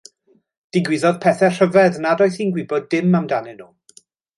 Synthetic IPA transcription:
d̥iɡwɪðɔðpʰɛːθɛr̥əvɛðnadɔjθiːnɡwɪbɔdɪmamdanɪnuː

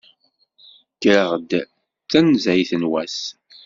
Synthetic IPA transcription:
ɡ̥əɾʁd̪ | θænzæjθənwæs

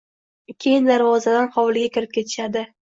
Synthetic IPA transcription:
kʲʰejɪnd̪aɾvɒzad̪anχɒwlɪɡʲakʲʰɪɾɪp̚kʲʰe̞t̪ʰɪ̥ʃad̪ɪ

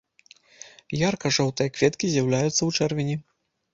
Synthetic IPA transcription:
jarkɐʐɔwt̪ɨjɐkvʲɛt̪kʲizʲjawlʲajut̪sːɐwt͡ʂɛrvʲinʲi

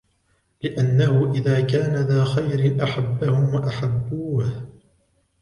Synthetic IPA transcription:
lɪʔanːahʊʔɪðaːkaːnaðaːxajɾɪnʔaħabːahʊmwaʔaħabːuːh

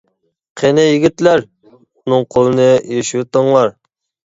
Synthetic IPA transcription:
qʰenɛjiɡʲit̪læɾ | unɨŋqʰolˠɨnɨjeʃwt̪əŋlˠɑɾ

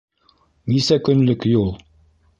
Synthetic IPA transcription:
nisækɵ̆nlɵkjulˠ

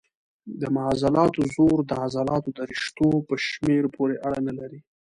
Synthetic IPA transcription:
d̪əmaɦɑzalɑt̪ozoɾd̪əazɑlɑt̪od̪əɾiʃt̪opəʃmeɾpʰoɾeʔaɽanalaɾi

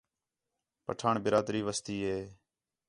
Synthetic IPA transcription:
pəʈʰaːɳbɪɾaːd̪ɾiːʋəst̪iːɦeː

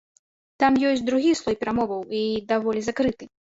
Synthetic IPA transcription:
t̪amjɔsʲd̪ɾuɣʲislˠɔjpʲɛɾamɔvɐwid̪avɔlʲizakɾɨt̪ɨ

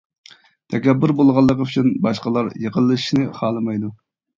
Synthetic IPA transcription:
t̪ʰɛkʲɛbːɪɾbolˠʁɑlˠːəqəyt͡ʃʰynbɑʃqəlˠɑɾjəqʰəlˠːɨʃʃnɨχɑːlˠɨmɑjd̪u

